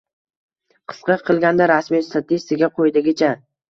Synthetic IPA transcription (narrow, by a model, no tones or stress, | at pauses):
qʰɨ̥sqɑqʰɨlˠɡʲand̪aɾasmist̪ʰat̪ʰɪst̪ɪɡʲaqʰojd̪ɪɡʲɪt͡ʃʰa